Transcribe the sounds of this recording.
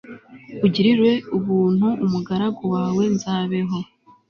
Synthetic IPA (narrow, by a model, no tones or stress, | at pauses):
uɟiɾiɾwe̞uβuːn̥huumuɡaɾaɡowaːwe̞nzaːβe̞ɦo̞